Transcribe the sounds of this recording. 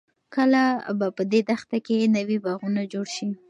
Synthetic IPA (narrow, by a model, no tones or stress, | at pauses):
kəlabapəd̪ed̪axt̪akenawibaɣunad͡ʒoɽʃi